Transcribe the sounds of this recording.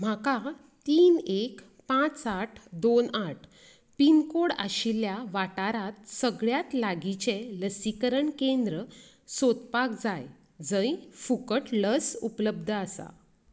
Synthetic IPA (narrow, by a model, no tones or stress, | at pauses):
m̤aka | t̪iːnek | pãt͡saʈʰd̪onaʈʰ | pinkoɽa̰ɕiljaʋaʈaɾat̪səɡɭjat̪laɡit͡ɕeləsikəɾəɳkend̪ɾə | sot̪pakd͡zaj | d͡zə̃ifukəʈləsupləbd̪ʱəasa̰